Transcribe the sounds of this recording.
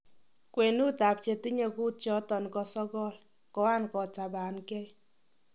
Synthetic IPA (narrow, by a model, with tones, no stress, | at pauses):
kwe˨nu˦ta˨p̚t͡ʃe˨ti˦ɲe˨ku˦tjɔ˦tɔ˨nkɔ˦sɔ˦ɡɔ˦˨l | kɔ˨a˦nkɔ˨ta˨ba˨nkɛ˦j